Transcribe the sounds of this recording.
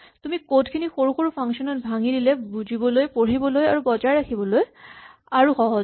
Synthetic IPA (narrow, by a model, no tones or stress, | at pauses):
tumikodkʰinixoɹuxoɹpʰaŋsɔnɔt̚bʱaŋidilɛbuzʱibɔlojpoɹibɔloja̰ɹubɔzaɹakʰibɔloj | aɹuxɔɦɔ